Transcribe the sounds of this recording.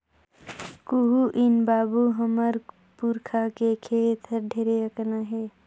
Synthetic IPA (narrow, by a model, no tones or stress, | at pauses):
kuɦuʔinbaːbuɦəməɾ | puɾkʰakekʰet̪ʰəɾɖʱeːɾeəknaɦe